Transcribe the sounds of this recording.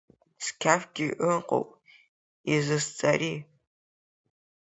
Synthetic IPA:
skʲʰaːfɡʲɪʔɨqʼo̰wʔʼ | izɨst͡sʼɐɾiː

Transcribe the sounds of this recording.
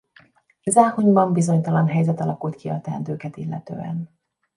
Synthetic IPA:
ɛzaːhoɲbɒmbizo̞ɲt̪ɒlɒnɦɛjzɛt̪ɒlɒkult̪kʰiɒ̰t̪ɛ̰nd̪øːkɛt̪ilːɛt̪ø̰ːɛ̰n

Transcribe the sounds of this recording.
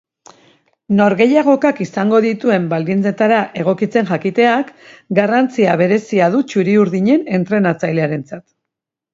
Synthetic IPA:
no̞ɾɣe̞jaɣ̞o̞kakisaŋɡo̞ðit̪ue̞mbald̪int͡se̞t̪aɾaʔe̞ɣ̞o̞kit͡se̞nʝakit̪e̞akɡarant͡siaβ̞e̞ɾe̞siaðut͡ʃuɾiuɾðiɲe̞ne̞nt̪ɾe̞nat͡sajle̞aɾe̞nt͡sat̪

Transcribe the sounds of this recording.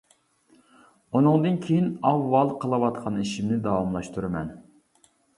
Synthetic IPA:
unɨŋd̪ɨnkʲʰejinɑvːɑlˠqʰəlˠɨwɑt̪qʰɑniʃimnɪd̪ɑwɑmlˠɑʃt̪ʰuɾɨmɛ̰n

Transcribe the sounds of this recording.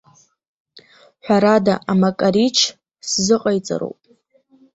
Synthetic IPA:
ħʷᶣaɾadaʔamakʼaɾit͡ʃʰ | szɨqʼajt͡sʼa̰ɾo̰wpʼ

